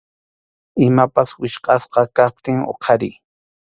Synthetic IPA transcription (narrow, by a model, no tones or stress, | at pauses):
ɪmapaswɪʃqɑsqɑkap̚t̪ɪŋo̰qʰɑɾɪj